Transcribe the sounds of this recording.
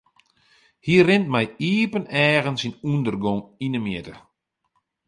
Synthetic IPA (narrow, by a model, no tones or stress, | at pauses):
hiərɪnt̚mɛjiːpənɛːɣənsinundərɡoŋinəmjɪtə